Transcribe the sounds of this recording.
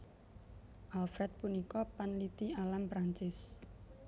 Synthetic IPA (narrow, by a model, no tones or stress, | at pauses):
ʔalfɾɛt̪̚punikɔpanlit̪ialampɾaɲt͡ʃɪs